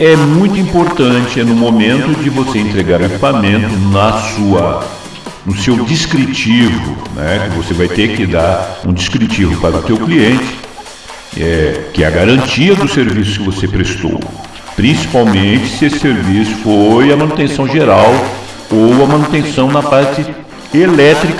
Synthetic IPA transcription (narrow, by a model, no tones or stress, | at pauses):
ɛmũj̃t̪ʊĩpoɾt̪ɐ̃t͡ʃɪnʊmomẽnt̪ʊd͡ʒɪvoseẽnt̪ɾeɡaɾʊeki̥pamẽnt̪ʊnɐsuɐ | nʊsewd͡ʒiskɾit͡ʃivʊ̰nɛ̰kɪvosevajt̪ekɪd̪aũd͡ʒiskɾit͡ʃivʊpaɾʊt̪ewkliẽnt͡ʃɪ̥ | ɛkɪɛ̰ɐɡaɾɐ̃nt͡ʃiɐd̪ʊseɾvisʊ̥skɪvosepɾest̪o̰w | pɾĩsi̥pawmẽnt͡ʃɪ̥sɪesɪ̥seɾvisʊ̥fojɐmɐ̃nut̪ẽsɐ̃w̃ʒeɾaw | owɐmɐ̃nut̪ẽsɐ̃w̃nɐpaɾt͡ʃɪ | elɛt̪ɾik